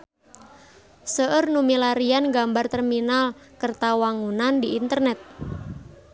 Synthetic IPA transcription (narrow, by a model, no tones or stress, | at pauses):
səʔərnumilaɾijanɡambart̪ɛrminalkərt̪awaŋunandiʔint̪ərnɛt̪̚